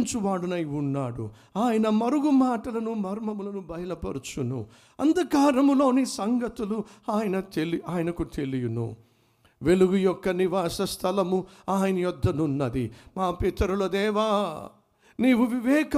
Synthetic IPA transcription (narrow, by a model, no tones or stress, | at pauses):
nt͡ʃuʋaːɽunɐjunːaːɽṵ | aːjɐnɐmɐɾuɡumaːʈɐlɐnumɐɾmɐmulɐnubɐjɐlɐpɐɾut͡ʃunṵ | ɐ̰nd̪ɐkaːɾɐmulo̞ːniːsɐŋɡɐt̪uluaːjɐnɐt̪eliaːjɐnɐkut̪e̞lijunṵ | ʋe̞luɡujɔkːɐniʋaːsɐst̪ʰɐlɐmuaːjɐnɐjɔd̪ʱːɐnunːɐd̪imaːpit̪ɐɾulɐd̪ɛːʋaː | niːʋuʋiʋɛːkɐ